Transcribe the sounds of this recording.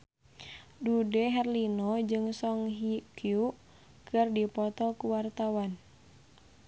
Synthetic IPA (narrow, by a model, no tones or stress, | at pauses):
dudɛɦɛrlinɔd͡ʒɨŋsɔŋɦikju | kɨrdipɔt̪ɔkuwart̪awan